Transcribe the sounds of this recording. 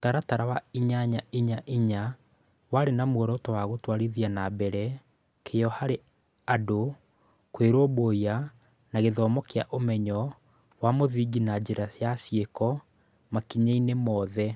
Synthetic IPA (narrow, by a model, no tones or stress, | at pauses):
taɾataɾawaiɲaɲaiɲaʔiɲa | waɾenamwɔɾɔtɔwaɣotwaɾiðianabɛɾɛ | kʰejɔhaɾe | ado | kweɾɔboia | naɣeðɔːmɔkeaʔomɛɲɔ | wamoðiɡinad͡ʑeɾasjasjekɔ | makiɲainemɔːðɛ